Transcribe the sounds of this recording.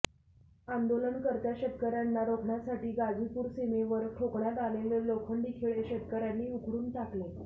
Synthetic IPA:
and̪oləɳkəɾt̪jaɕət̪kəɾjanːaɾokʰɳjasaʈiːɡad͡zʱipuːɾsemeʋəɾʈʰokɳjat̪aleʋeɾlokʰəɳɖ̪ikʰiɭeɕət̪kəɾjanːiːukɾuːnt̪akle

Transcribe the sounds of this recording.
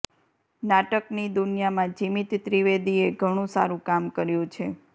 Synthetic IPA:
naʈəknid̪unjamãd͡ʒimit̪t̪ɾiʋed̪ieɡʱəɽ̃ũsa̰ɾũkamkəɾjũt͡ʃʰe

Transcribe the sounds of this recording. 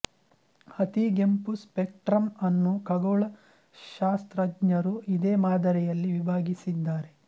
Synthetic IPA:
ɐt̪iɡempuspek̚ʈɾɐmɐnːukɐɡoːɭɐ | ʃaːst̪ɾɐɡɲɐɾuʔid̪eːmaːd̪ɐɾɛjɐlːiʋibʱaːɡisid̪ːaːɾe̞

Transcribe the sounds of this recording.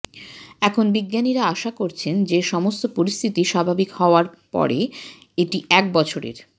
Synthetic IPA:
ɛkʰonbiɡːaniɾaaʃakoɾt͡ɕʰend͡ʑeʃɔmost̪opoɾist̪ʰit̪iʃabʱabikhɔoaɾpɔ̰ɾe | eʈiɛk̚bɔt͡ɕʰoɾḛɾ

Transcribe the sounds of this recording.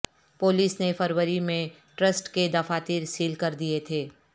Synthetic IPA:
poːliːsnefʰəɾwəɾimẽ | ʈɾəsʈked̪ɐfaːt̪iːɾsiːlkɐɾd̪iet̪ʰeː

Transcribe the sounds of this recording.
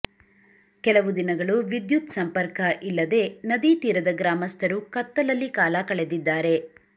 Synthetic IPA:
kɛlɐʋud̪inɐɡɐɭuʋid̪jut̪sɐmpɐɾkɐʔilːɐd̪e̞ːnɐd̪it̪iːɾɐd̪ɐɡɾaːmɐst̪ʰɐɾukɐt̪ːɐlɐlːikaːlɐkɐɭe̞d̪id̪ːaːɾe̞

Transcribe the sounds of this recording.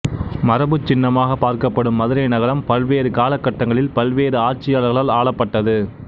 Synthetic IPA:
mɐɾɐbɯt͡ʃːɪnːɐmaːɣɐpːaːɾkɐpːɐɽɯmːɐðɯɾɐɪnɐɣɐɾɐmpɐlʋeːɾɯkaːlɐkːɐʈːɐŋɡɐɭɪlpɐlʋeːɾɯaːɾt͡ʃɪjaːɭɐɣɐɭaːlaːɭɐpːɐʈːɐðɯ

